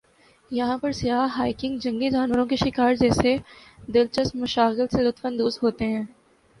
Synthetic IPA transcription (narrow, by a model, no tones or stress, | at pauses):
jɐɦãpɐɾsɪjaːɦɦaːɪkɪ̃ŋɡd͡ʒɐ̃ŋɡed͡ʒaːnʋəɾõkeʃɪkaːɾd͡ʒɛːsed̪ɪlt͡ʃəst̪mʊʃaːɣɪlselʊt̪fə̃nd̪uːsɦoːt̪eɦɛ̃ː